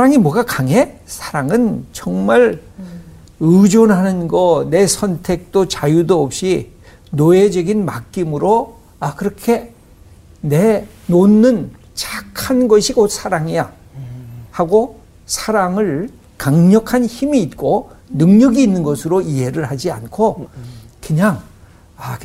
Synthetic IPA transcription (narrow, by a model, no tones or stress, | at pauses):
aɾaŋimwʌɡakaŋe̞sʰaɾaŋɯnt͡ɕʌŋmaɭ | ɯd͡ʑonɦanɯnɡʌne̞sʰʌntʰe̞k̚t͈ot͡ɕajudoʌp̚ɕ͈i | noe̞d͡ʑʌɡinmak͈̚imɯɾo | akɯɾʌkʰe̞ | ne̞ | nonːɯn | t͡ɕakʰanɡʌɕʰiɡosʰaɾaŋija | haɡo | sʰaɾaŋɯɭ | kaŋɲʌkʰançimiːt̚k͈o | nɯŋɲʌɡiːnːɯnɡʌsʰɯɾoiɦe̞ɾɯɭhad͡ʑia̰nkʰokɯɲaŋ | a